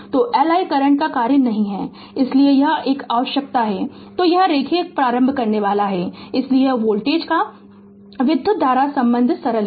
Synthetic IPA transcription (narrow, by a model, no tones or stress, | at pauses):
t̪oːʔɛːlaːikɐɾəɳ̃kakaːɾənnɐɦĩɦɛː | ɪsliejɐɦeːkaːʋəʃjək̚t̪aɦɛː | t̪oːjɐɦɾeːkʰepɾaːɾə̃mbʱkɐɾneʋaːlaɦɛɪslieʋoːlʈeːd͡ʒka | ʋɪd̪ʱːəd̪ʱaːɾasɐ̃mbə̃nd̪ʱsɐɾəl